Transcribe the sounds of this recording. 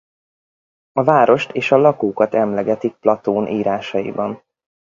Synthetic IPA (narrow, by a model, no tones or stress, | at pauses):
ɒvaːɾo̞ʃt̪eːʃɒlɒkoːkɒt̪ɛmlɛɡɛt̪ik̚plɒt̪oːnʔiːɾaːʃɒjḭbɒn